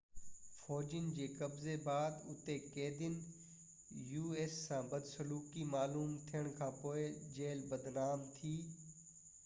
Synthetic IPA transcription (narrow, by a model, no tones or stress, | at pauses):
fɔːd͡ʑənɪ̆d͡ʑeːkɐbzebaːd̪ʊ̰t̪ekeːd̪ɪn | juːeːsːãːbɐd̪sɐluːkimaːluːmt̪ʰijəɽ̃kʰãːpoːɪd͡ʑeːlbɐd̪naːmt̪ʰiː